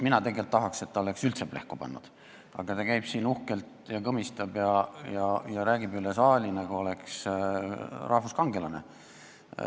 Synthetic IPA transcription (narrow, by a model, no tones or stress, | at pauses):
minɑt̪e̞ɡelt̪ːɑɦɑkse̞t̪ːɑo̞le̞ksylt̪seb̥le̞̰hkupɑ̰nːṵd̪̥ | ɑ̰ɡ̥ɑt̪ɑkæjb̥siːnuhkelt̪jɑkɤmist̪ɑb̥jɑjɑjɑɾæːɡ̥ibylesɑːlʲinɑɡ̥ɑo̞le̞ks | rʔɑhfuskɑŋɡ̥elɑnḛ